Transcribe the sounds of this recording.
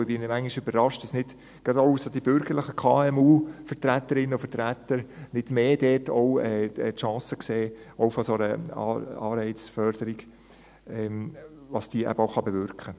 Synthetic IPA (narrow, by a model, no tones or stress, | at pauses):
ɪbɪnəmæŋiʃøbəɾɾɑʃtd̥ɑsnɪd̥ | ɡ̥ɑdousod̥ibʏɾɡəɾləχəkʰɑːɛmuːfəɾt̪ɾæt̪ːəɾɪnːəʊfətɾæt̪ːəɾnɪd̥meːd̥ɛːtɔwɛːtʃɑ̃ːsəkseːʔɔʊfɔsɔnəɑ̰ɑːɾɛɪt͡sfœɾd̥əɾiɡ | ɛmʋɑsd̥iːəʔæ̰bəɔʊχɑbɛvʏɾkχə